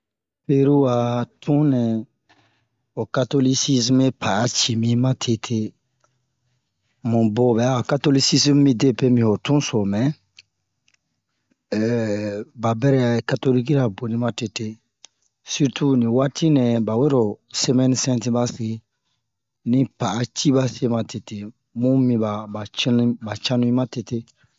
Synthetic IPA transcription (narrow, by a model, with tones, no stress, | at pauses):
pe˦ɾu˦wa˨tʰũ˦nɛ̃˨ | o˨ka˦to˦li˦si˦sme˦pʰa˨ja˦t͡ʃi˨mĩ˦mã˦tʰe˦tʰe˦ | mũ˨bo˨bɛ˨a˦o˨ka˦to˦li˦si˦smːĩ˦de˦pe˦mĩ˨o˨tũ˦so˨mɛ̃˨ | ba˨bɛ˦ɾɛ˦˨ka˨˦to˦li˦ki˦ɾa˨bo˨nĩ˦ma˦te˨te˦ | si˦ɾtʰu˦nĩ˨wa˦tʰi˦nɛ̃˨ba˨we˦ɾo˨se˦mɛ̃˦ni˦sɛ̃˦tĩ˦ba˦si˨ɡi˨˦ | nĩ˦pa˨a˦t͡ʃi˦ba˦se˦mã˨tʰe˨tʰe˨ | mũ˦mĩ˨ba˨ba˨t͡ʃi˦ñ˦ba˨t͡ʃã˦nũ˦ĩ˦ma˦te˨te˦